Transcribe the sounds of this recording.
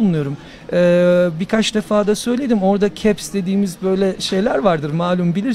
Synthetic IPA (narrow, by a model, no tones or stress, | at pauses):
unujo̞ɾum | ɛːbikʰat͡ʃd̪efaːd̪asø̞jlʲe̞d̪imo̞ɾd̪acʰɛpsd̪e̞d̪iːmizbø̞jlʲɛʃe̞jlʲæɾvaɾd̪ɯɾmaːlʲumbilʲiɾ